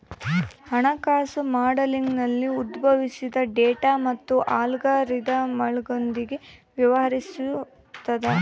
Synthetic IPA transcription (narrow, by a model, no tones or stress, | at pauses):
hɐɳɐkaːsumaːɖɐliŋɡnɐlːiud̪bʱɐʋisid̪ɐɖeːʈaːmɐt̪ːuʔaːlɡaɾid̪ɐmɐɭɡond̪iɡe̞ʋjɐʋɐɦɐɾisu | t̪ːɐd̪e